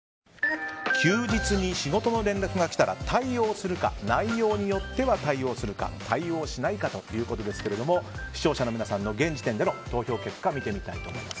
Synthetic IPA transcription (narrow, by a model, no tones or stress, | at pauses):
kʲʰɨːd͡ʑit͡sɨɲ̟iɕiɡo̞t̪o̞no̞ɾẽ̞nɾakɯ̟ɡakʲi̥t̪aɾa̰t̪ʰaio̞ːsɨɾɯ̟ka̰naijo̞ːɲ̟ijo̞t̪ːe̞βat̪aio̞ːsɨɾɯ̟ka̰t̪ʰaio̞ːɕinaikat̪o̞jɯ̟ːko̞t̪o̞d̪e̞sɨ̥ke̞ɾe̞d̪o̞mo̞ɕi̥ɕo̞ːɕano̞mʲinasãnːo̞ɡẽ̞ɲ̟d͡ʑit̪ẽ̞nd̪e̞no̞t̪o̞ːço̞ːke̞kːamʲit̪e̞mʲit̪a̰it̪o̞ːmo̞̰ḭmasɨ̥